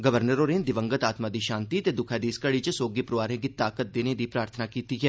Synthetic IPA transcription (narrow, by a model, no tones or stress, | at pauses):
ɡəʋəɾnəɾoːned̪ɪʋə̃ŋɡət̪aːt̪mad̪iʃãːnt̪it̪ed̪ʊkʰad̪iːskəɽit͡ʃəsoːɡipɾʋaːɾẽk̬it̪aːkət̪̚d̪eːned̪ipɾaːɾt̪ʰənakiːt̪iɦɛː